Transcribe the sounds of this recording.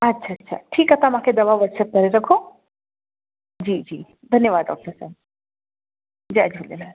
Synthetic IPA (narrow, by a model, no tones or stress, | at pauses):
ɐtːʃʰaɐtːʃʰa̰ʈʰiːkɦɐt̪amɦãkʰed̪ɐʋaʋəɾsəp̚kɐɾeɾɐkʰo | d͡ʒiːd͡ʒiː | d̪ʱɐnjəʋaːd̪̚ɖɔ̰ːk̚ʈəɾsɛ̰ːb̚ | d͡ʒiɐd͡ʒəlela